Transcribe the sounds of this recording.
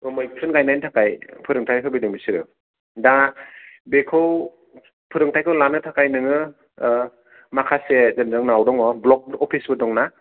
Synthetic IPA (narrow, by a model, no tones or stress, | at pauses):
ɯmɯjpʰɯnɡajnajntʰakajpʰɯɾɯŋtʰajkʰɯwbɯjdɯŋbisiɾɯ | da | bekʰɯw | pʰɯɾɯŋtʰajkʰɯwlanɯtʰakajnɯŋɯ | makʰasezɯndɯŋnawdɔŋɔblɔk̚bɔpʰisbɯdɔŋna